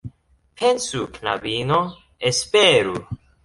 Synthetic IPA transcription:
pʰensukna̰bino | espeɾu

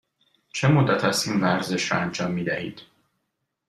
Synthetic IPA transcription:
t͡ʃʰe̞mod̪ːæt̪ʰæsiːnvæɾze̞ʃɾɒ̰ænd͡ʒɒːmːiːd̪æhḭːd̪̥

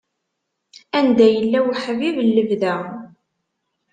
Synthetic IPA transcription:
ænd̪æjəlːæwħvivəlːəvðæ

